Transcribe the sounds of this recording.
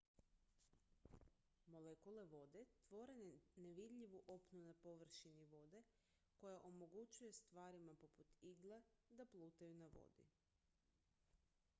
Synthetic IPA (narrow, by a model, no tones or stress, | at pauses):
mo̞lekule̞ʋo̞d̪e̞t̪ʋo̞ɾe̞nneʋid̪ʎʲiʋuʔo̞pnunapo̞ʋr̩ʃiniʋo̞d̪e̞ | ko̞jaʔomo̞ɡut͡ʃuje̞st̪ʋaːɾimapo̞put̪iɡlˠed̪aplˠuːt̪ajunaʋo̞̰d̪ḭ